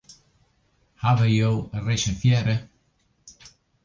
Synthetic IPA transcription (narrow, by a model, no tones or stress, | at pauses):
havəjowərɛʃənfjɛɾə